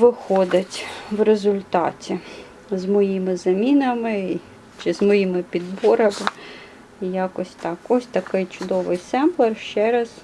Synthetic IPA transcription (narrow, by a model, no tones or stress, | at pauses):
ʋɪxɔd̪ɪtʲʋrezʊlʲt̪ɑ̰tʲi | zmɔjimɪzɐmʲinɐmɪ | t͡ʃɪzmɔjimɪpʲid̪bɔɾɐmɪ | ijɑkɔsʲt̪ɑkɔsʲt̪ɐkɪjt͡ʃʊd̪ɔʋɪjsɛmblˠɐrʃt͡ʃɛɾɐs